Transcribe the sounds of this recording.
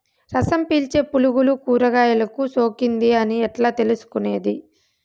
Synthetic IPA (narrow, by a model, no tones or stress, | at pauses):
ɾɐsɐmpiːlt͡ʃe̞ːpuluɡulukuːɾɐɡaːjɐlɐkuso̞ːkind̪iɐniɛʈlaːt̪elusu̥kune̞ːd̪i